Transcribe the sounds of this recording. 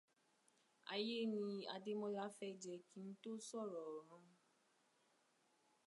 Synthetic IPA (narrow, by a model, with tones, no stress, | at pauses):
a̰˧je˦nĩ˧a˧de˦mɔ̃˦la˦fɛ˦˨d͡ʒɛ˨ki˨˦n̩˦to˦sɔ˦˨ɾɔ˨ɾ̃ũ˨˦